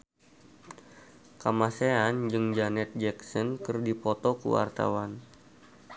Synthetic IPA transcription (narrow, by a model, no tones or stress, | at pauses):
kamaseand͡ʒɨŋd͡ʒanɛt̪̚d͡ʒɛksɔnkɨrdipɔt̪ɔkṵwa̰rt̪a̰wan